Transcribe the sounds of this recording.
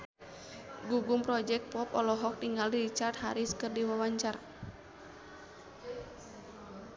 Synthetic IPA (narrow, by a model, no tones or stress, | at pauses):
ɡuɡumpɾɔd͡ʒɛk̚pɔpɔlɔɦɔk̚tiŋɡaliɾit͡ʃart̪̚haɾiskərdiwawaɲt͡ʃar